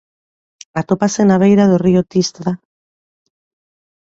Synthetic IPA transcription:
at̪o̞pase̞naβejɾaðoriot̪ist̪ða

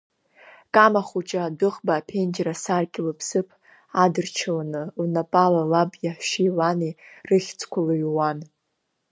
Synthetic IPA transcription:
kʼamaχut͡ʃʼaːdɨχbaːpʰend͡ʒrasarkʲʼɪlɨpʰsɨpʰ | adɨrt͡ʃʰalanɨlnapʼalalabjaħʃilanirɨχʲt͡sʰkʷʰalojwan

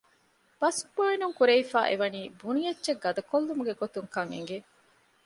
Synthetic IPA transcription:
b̥ɐsboinuŋkuɾeifæːʔeʋɐniːbunijɐtːt͡ʃeɡːɐd̪ɐkolːumuɡeɡot̪uŋkɐŋḛŋɡe

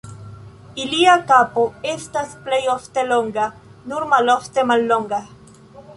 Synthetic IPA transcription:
iliakapoest̪asplejoft̪eloŋɡa | nuɾmaloft̪emalːoŋɡa

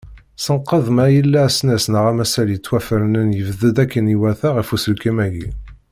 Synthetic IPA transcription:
sənqːəðˤmæjəlːæsnæsnəʁæmæsæljət͡sːwæfəɾnənjəvðəd̪ækːəniwæθæʁəfusəlkæmæɡi

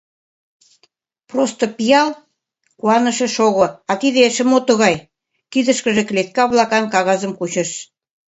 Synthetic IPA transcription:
prost̪opijɑl | kuɑnə̆ʃĕʃoɣoɑt̪iðeʃə̆mot̪əɣɑj | kid̪ə̆ʃkə̆ʒĕklet̪̚kɑβlɑkɑnkɑɣɑzə̆mkut͡ɕə̆ʃ

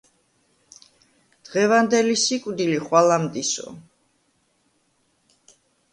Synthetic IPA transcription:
d̪̥ʁɛvand̪ɛlisikʼwd̪iliχwalamt̪ʼisɔ̰

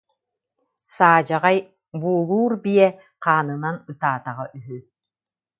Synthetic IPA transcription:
saːd͡ʑaʁaj | buːlˠuːɾbiɛ | qaːnɯnanɯt̪aːt̪aʁaʔyɦy

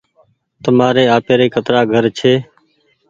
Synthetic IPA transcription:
t̪əmaːɾeːaːpeːɾeːkʰət̪ɾaːɡʱəɾt͡ʃʰeː

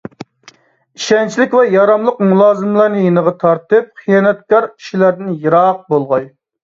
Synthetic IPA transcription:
iʃɛnt͡ʃʰilɪkʲvɛjɑɾɑmlˠəqmulˠɑːzɨmlˠɑɾnɨjenəʁɑt̪ʰɑɾt̪ɨp̚χʰijɑːnɛt̪̚kɑɾkʰi̥ʃilæɾd̪ɪnjɨɾɑq̚bolˠʁɑj

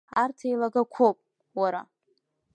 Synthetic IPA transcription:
artʰejlaɡakʷʰopʼ | waɾa̰

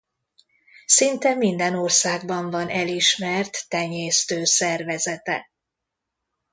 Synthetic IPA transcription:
sint̪ɛmind̪ɛno̞rsaːɡ̚bɒɱvɒnʔɛliʃmɛrt̪ːɛɲeːst̪øːsɛrvɛzɛt̪ɛ̰

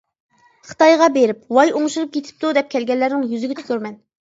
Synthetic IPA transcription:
χə̥t̪ɑjʁɑbeɾɪp̚wɑjoŋʃuɾup̚kʰʲet̪ʰɪ̥p̚t̪ud̪ɛp̚kʲʰɛlɡʲɛlːæɾnɪŋjyzɪɡʲɛt̪ʰy̥kʲøɾmɛn

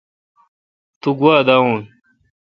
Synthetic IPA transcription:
t̪uɡuwaːd̪aũːn

